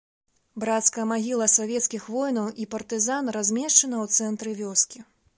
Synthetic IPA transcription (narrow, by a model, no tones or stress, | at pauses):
bɾat̪skɐjɐmaɣʲilˠɐsavʲɛt̪skʲixvɔjnɐwʔipɐrt̪ɨzanrazʲmʲɛʂt͡ʂɐnɐwt̪sɛnt̪ɾɨvʲɔskʲi